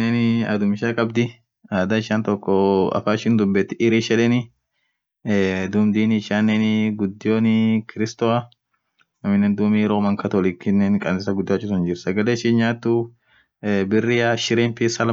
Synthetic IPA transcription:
enɐ̰d̪ʊmɪʃaːkʼɐbd̪ɪ | aːd̪aɪʃaːnt̪ɔkːɔɐ̰faːɪʃɪnd̪ʊbːɛt̪ːɪʔɪɾiʃɛᶑɛnɪ | d̪ʊmd̪iːnɪɪʃaːnːenɪɡʊd̪ːɪjoːnɪkɪɾɪst̪ɔɐ | nɐmɪnːɛːnd̪uːmiːɾoːmɐŋkɐt̪olɪkːɪnːɛnkʼɐnsɪsɐɡʊd̪ːɪjaːt͡ʃːʊsɐnd͡ʒɪɾsɐɡɐleːʃiːnɲaːt̪ːu | bɪrːɪaʃɪɾeːmpɪsɐl

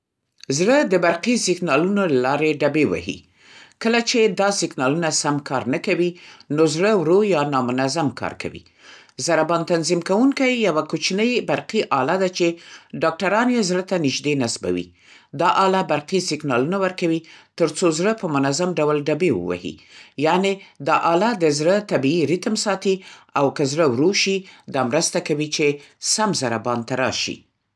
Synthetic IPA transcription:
zɽəd̪əbaɾqisɪɡnɑlunolalɑɾeɖabewa̰hḭ | kəlat͡ʃed̪ɑsɪɡnɑlunasamkɑɾnəkawinozɽəwɾojɑnɑmʊnazamkʰɑ̰ɾka̰wḭ | zaɾabɑnt̪anzimkawuŋkajːawakot͡ʃnəjbaɾqiʔɑlad̪at͡ʃeɖɑk̚ʈaɾɑnjezɾət̪anɪʒd̪enasba̰wḭ | d̪ɑʔɑlabaɾqisɪɡnɑlunawəɾkawit̪əɾt͡sozɽəpəmʊnazamɖawlɖabewə̰wa̰hḭjɑned̪ɑʔɑlad̪əzɽət̪abiːɾit̪msɑt̪iawkəzɽəwɾoʃid̪ɑmɾəst̪akawit͡ʃesamzaɾabɑnt̪aɾɑ̰ʃḭ

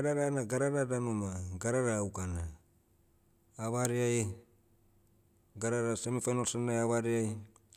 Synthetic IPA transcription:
aɾaɾanaɡaɾaɾadanomaɡaɾaɾaːukana | βaɾiaj | ɡaɾaɾasemifanolsanajaβaɾiaj

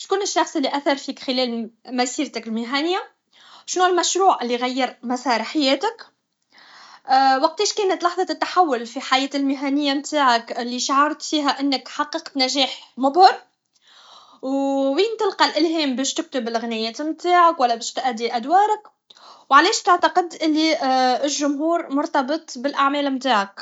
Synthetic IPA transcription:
ʃkuːnɪʃːɑxsˤɪlːiʔæθɑɾˤfiːkxɪlɛːlmæsiːɾt̪ɪkɪlmɪɦænɪjːa | ʃnuːlmæʃɾuːʕʔɪlːiɣæjːɪɾˤmæsɑːɾˤħajɛːt̪ɪk | wɑq̚t̪iːʃkɛːnət̪lɑħðˤɑt̪ɪt̪ːaħawːʊlfiħajɛːt̪ɪlmɪɦænɪjːamt̪aːʕakɪlːiʃaʕɑɾˤt̪fiːɦæʔɪnːəkħɑqːɑqt̪næʒɛːħmʊbhɑɾˤ | wwiːnt̪əlqɑlʔɪlɦɛːmbɛːʃt̪ɪk̚t̪ʊbɪlɣnɪjɛːt̪mt̪aːʕakwælːæbɛːʃt̪ʔæd̪ːiʔæd̪wɑːɾˤɪk | wʕalɛːʃt̪ɪʕt̪ɑqɪd̪ʔɪlːiɪlʒʊmɦuːɾmʊɾt̪ɑbɨt̪ˤbɪlʔaʕmɛːlmt̪aːʕak

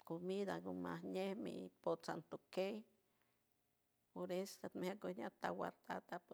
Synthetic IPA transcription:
komid̪aɡomahnehmḭposant̪okej | poɾest̪at̪mhakoɲat̪a̰wa̰ɾt̪at̪ap

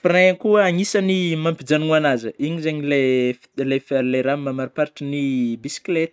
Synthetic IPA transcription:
firẽkuaŋisənimampid͡zanuŋanazəiɲizeɲile | lefleɾamamaɾipaɾiʈ͡ʂinibisi̥klet̪

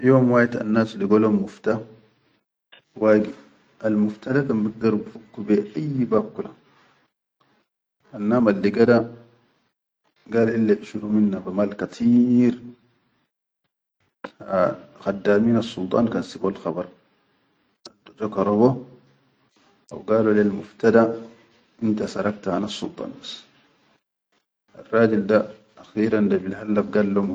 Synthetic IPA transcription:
joːmwaːjat̪a̰nːaːsliɡolomuft̪a | waːɡi | ʔalmuft̪adakambiɡ̚d̪aɾbufukːubeʔajːibakːula | ʔanːaːmalːiɡada | ɡaːlʔilːaʔiʃuɾuminːabamaːlkat̪ʰiːɾ | xadːaːmiːnasːult̪ˤɑ̰ːnkansibolxɑbɑɾˤ | ad̪ud͡ʒokaɾˤobo | ʔa̰wɡaːlolilmʊft̪ad̪a | ʔint̪asɑɾˤɑkt̪ahanasːult̪ˤɑ̰ːnbḁs | ʔa̰rˤːɑːd͡ʒilda | axiːɾand̪abilhalːabɡalːom

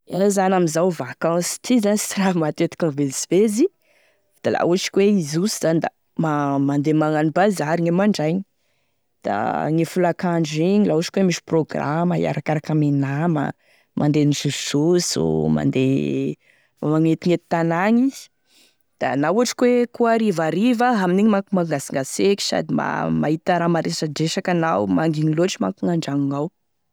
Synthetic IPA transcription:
azanamizawvakãsi̥t̪ʰizanist͡siɾavmat̪et̪i̥kãnvesvezi | d̪̥ala̰uaʈ͡ʂi̥kʲweizusiz̥anid̪a̰ | mamand̪emaŋanibazaɾiɲemaɳɖ͡ʐajɲi | d̪̥a̰ŋefulakaɳɖ͡ʐiɲilauaʈ͡ʂi̥kwemiʃi̥proɡra̰məḭa̰ɾakaɾakamenamə̰ | mʔand̪enizususzo̰ma̰nd̪e | amaŋet̪iŋet̪i̥t̪anaŋi | d̪̥anauaʈ͡ʂi̥kwekuaɾivaɾivaɦaminiɲimakumaŋɡasiŋɡasekʲi̥sa̰d̪ima̰ma̰it̪aɾamaɾesaɖ͡ʐeʃakanawmaŋɡiɲiloaʈ͡ʂima̰kuŋaɳɖ͡ʐaŋuŋaw

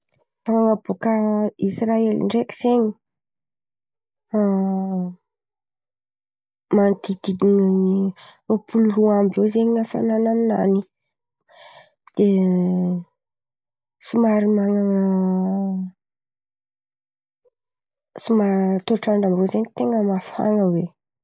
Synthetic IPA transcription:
ɾaŋabokəisraelḭɳɖ͡ʐeki̥z̥eɲi | mant̪id̪id̪iɲ | opʰuluruambewzeɲiafa̰nanamna̰ni | d̪̥e | simaɾimaŋaŋ | simaɾt̪oʈ͡ʂaɳɖ͡ʐambozeɲit̪eŋəmafa̰ŋəwe

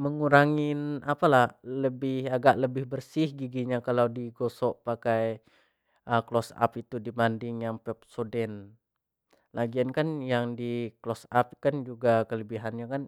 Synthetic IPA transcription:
məŋuɾaŋɪnapalahləbɪhaɡaʔləbɪhbərsɪhɡiɡiɲakalawdiɡosɔʔpakaj | əklɔsa̰pit̪udibandɪŋjaŋpɛp̚sodɛn | lʔaɡiankanjaŋdiklɔsap̚kand͡ʒuɡakələbiɦanɲakan

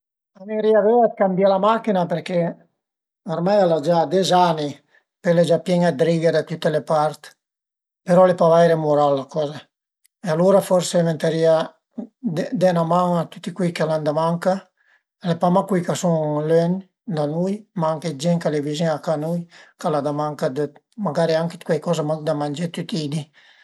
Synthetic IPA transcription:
aneɾiaveat̪kambjalamakinapeɾke | aɾmajalad͡ʒad̪ezani | peled͡ʒapjɛŋad̪ɾiɡed̪at̪ut̪ːelepaɾt̪ | peɾɔlepavajɾemuɾalːakɔːza | ealuːɾafɔɾsement̪eɾia | d̪ɛnamaŋat̪ut̪ːikwikaland̪amaŋka | lepamakwijkasuŋløn | d̪anujmaaŋked͡ʒɛŋkalevizeŋakanujkalad̪amaŋkad̪ | maɡaɾiaŋkekwɛjkɔzamad̪amand͡ʒet̪yt̪id̪i

